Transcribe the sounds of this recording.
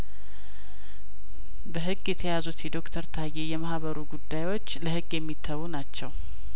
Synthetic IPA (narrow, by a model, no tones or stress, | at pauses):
bəɦɨɡːjɛt̪ʰəjazut̪jɛd̪o̞kt̪ʰəɾt̪ʰajːejɛmahβəɾuɡud̪ːajwot͡ʃːləhɨɡjɛmːit̪ʰːəwunat͡ʃːɛw